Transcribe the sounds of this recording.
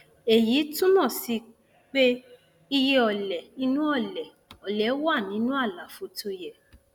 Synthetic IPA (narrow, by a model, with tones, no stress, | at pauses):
e˨ji˨˦tũ˦mɔ̃˦˨si˧ | k͡pe˦ | i˧je˦ɔ˧˨lɛ˨nĩ˨˦nũ˦ɔ˦˨lɛ˨ | ɔ˨lɛ˨˦wa˦˨nĩ˨˦nũ˦a˦˨la˨fo˧˦tʰo˧jɛ˨